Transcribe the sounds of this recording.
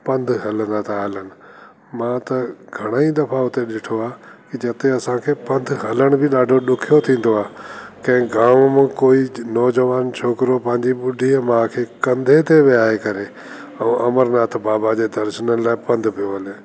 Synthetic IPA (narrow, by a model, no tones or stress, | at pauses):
pɐ̃nd̪ʱɦɐlənaːt̪ʰaɦɐlənɪ̆ | mãt̪ɐɡʱɐɽ̃aːid̪ɐfaʊt̪eɗɪʈʰoaːkid͡ʑɐt̪eɐsãkʰeːpɐ̃nd̪ʱɦɐləɽ̃bʱɪɗaːɖʱoɗʊkʰijot̪ʰĩːn̆d̪oaːkɐ̃ɦɪ̃kɡaːmmɪ̃koːinɔːd͡ʑəʋaːnt͡ɕʰoːkɪɾopɐ̃ɦɪ̃ɲd͡ʑiɓʊɖʱiːəmãːkʰeːkɐ̃nd̪ʱet̪ʰeʋɪjaːekɐɾe | ɛ̃ːʔɐməɾnaːt̪ʰbaːbad͡ʑeːd̪ɐɾʃənənɪlaːɪpɐ̃nd̪ʱpʰijoɦɐleː